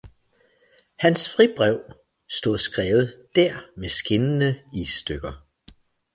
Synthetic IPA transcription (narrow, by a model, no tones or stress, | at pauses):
hænsfʁib̥ʁɛʊ̰ | sd̥o̝ðˠsɡ̥ʁɛːʊð̩ˠd̥æɐ̰mesɡ̥e̝nənəḭːsd̥øɡ̥ɐ